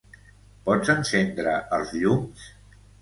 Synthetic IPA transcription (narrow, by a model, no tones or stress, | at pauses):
pɔd͡zənsend̪ɾəʔəlˠzʎums